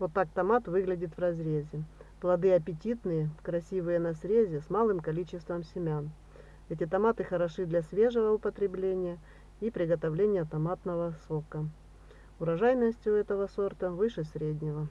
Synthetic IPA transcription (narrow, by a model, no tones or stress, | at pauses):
vot̪ːak̚t̪ɐmat̪vɨɡlʲɪdʲɪt̪vrɐzɾʲezʲɪplˠɐd̪ɨɐpʲɪtʲit̪nɨjəkɾɐsʲivɨjənɐsɾʲezʲɪsmalˠɨmkɐlʲit͡ɕɪst̪vəmsʲɪmʲan | ɛtʲɪt̪ɐmat̪ɨxəɾɐʂɨd̪lʲɐsʲvʲe̞ʐɨvəʊpət̪ɾʲɪblʲenʲɪjə | ipɾʲɪɡət̪ɐvlʲenʲɪjət̪ɐmat̪nəvəsokə | ʊɾɐʐajnəsʲtʲɪjʊɛt̪əvəso̞rt̪əvɨʂɨsʲɾʲedʲnʲɪvə